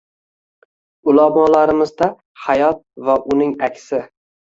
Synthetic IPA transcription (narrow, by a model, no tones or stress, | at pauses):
ʊlamɒlaɾɪmɪzd̪a | hajɒt̪̚vaʔʊnɪŋakʲsɪ